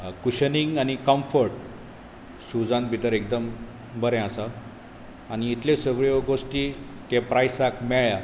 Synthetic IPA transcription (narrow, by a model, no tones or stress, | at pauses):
kuɕəniŋɡañikəmfəɾʈ | sud͡zãnbʱit̪əɾek̚d̪əm | bəɾɛ̃asaː | ñiːt̪lesəɡɭjoɡosʈi | t̪epɾajsakmɛɭja